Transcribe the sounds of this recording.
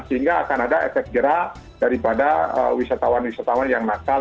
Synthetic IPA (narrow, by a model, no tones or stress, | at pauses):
səiŋɡaːkanadaɛfɛkt̪̚ɡəɾa | daɾipadaə̰wisat̪awanwisat̪awanjaŋnasa